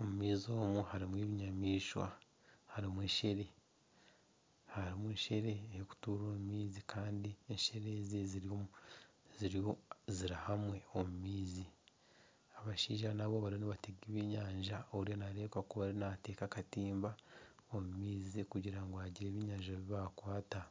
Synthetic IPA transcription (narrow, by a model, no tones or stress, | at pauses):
omumiːzo̞ːmuhaɾimwiːβiɲamiːʃwa̰ | haɾimweːʃe̞ɾe̞ | haɾimweːʃe̞ɾe̞heku̥tuːɾoːmumiːzikʰaːndieʃeɾezeziɾi | ziɾoziɾahamwe̞omumiːzi | aβaʃḭːʒanaβoβaɾioniβateɡiβiɲaːɲʒaoɾijonaɾe̞ːkwakuβaɾinate̞ːkakatiːmbaomumiːzikuɟiɾaŋɡohaɟiɾeːβiɲaːɲʒaβiβakwaːta